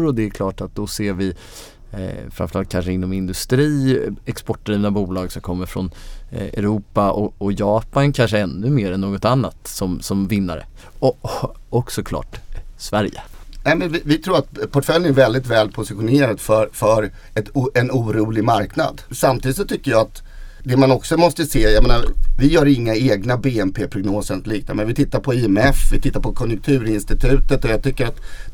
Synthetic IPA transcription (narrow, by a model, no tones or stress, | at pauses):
ɾɔd̪ɛæɾkʰlɑːʈat̪̚d̪ɔseːɾvɪ | fɾamfəɾalt̪̚kʰanʂəɪnːɔmɪnd̪ɵst̪ɾiːɛkspɔʈːaɾivnabuːlɑːɡsɔmkʰɔmːəɾfɾɔ̰nɛ̰ɾuːpaʔɔɔjɑːpankʰanʂəɛnːɵmeːɾɛnːoːɡɔt̪anːat̪sɔmsɔmvɪnːaɾə̰ | ɔɔksɔkʰlɑ̰ːʈsvæɾjə̰nɛmɛnvɪvɪt̪ʰɾuːɾat̪pʰɔʈfœlːənæɾvɛld̪ɪt̪vɛːlpʰʊsɪɧʊneːɾad̪fœɾfœɾ | ɛt̪ɛnuːɾuːlɪɡmaɾkna̰d̪samt̪ʰiːd̪ɪsɔt̪ʰʏkːəjaat̪ | d̪ɛmanɔksɔmɔst̪əseːjameːnavɪjœːɾɪŋːaeːɡnabeːɛmpʰeːpʰɾʊɡnoːsənliːk̚t̪amɛnvɪt̪ʰɪt̪ːaɾpʰɔiɛmɛfvɪt̪ʰɪt̪ːaɾpʰɔkʰɔnjʊŋk̚t̪ʰʉ̟ːɾɪnst̪ɪt̪ʰʉ̟ːt̪ət̪ɔjɑt̪ʰʏkːəɾat̪